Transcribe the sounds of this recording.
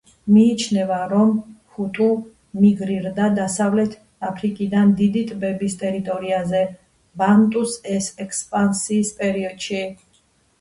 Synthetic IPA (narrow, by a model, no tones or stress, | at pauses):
miːt͡ʃʰnɛvaɾɔmhut̪ʼu | miɡɾiɾd̪ad̪asavlɛt̪ʰ | apʰɾikʼid̪and̪id̪it̪ʼbɛbist̪ʼɛɾit̪ʼɔɾiazɛ | bant̪ʼusɛsɛkʰspʼansiːspʼɛɾiɔd̪̥ʃi